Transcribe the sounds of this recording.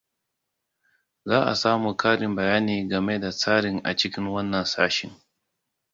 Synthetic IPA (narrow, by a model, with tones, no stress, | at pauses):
zaː˦ʔa̰˨saː˦muː˨kʰaː˦ɽɪ˨mbɐ˨jaː˦niː˨ɡɐ˨me˦da˨saː˦ɽɪ˨ŋʔa̰˨t͡ʃɪ˦kʲɪ˦ŋwɐ˦nːɐ˨nsaː˦ʃɪ˦ŋ